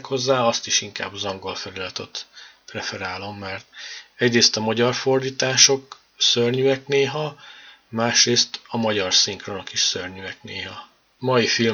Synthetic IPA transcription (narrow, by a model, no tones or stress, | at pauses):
kho̞zːaːɒst̪iʃiŋka̰ːbzɒŋɡo̞lfɛlylɛt̪ot̪prɛfɛɾaːlo̞mːɛrt̪ɛɟreːst̪ɒmɒɟɒrfo̞rd̪iːt̪aːʃo̞k | sørɲyɛkneːɦɒ | maːʃreːst̪ɒmɒɟɒrsiŋkro̞no̞kiʃsørɲyɛkneːɦɒ | mɒjifil